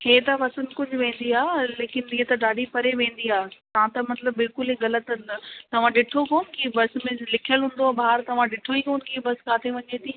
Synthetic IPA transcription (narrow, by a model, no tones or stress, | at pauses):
heːt̪ɐʋɐsənkʊd͡ʑʱʊʋẽːn̆d̪iaːleːkɪniːet̪ɐɖaːɖipɐɾeʋẽːn̆d̪iaːt̪ɐʋãt̪ɐmɐt̪ləbːɪlkʊliɣɐlət̪t̪ɐʋ̤ãɗɪʈʰokoːnkibɐsmẽlɪkʰijəlɦʊ̃ːn̆d̪oaːbaːaɾt̪ɐʋ̤ãɗɪʈʰoikoːnkibɐskaːt̪ʰeʋɐɲeːt̪ʰiː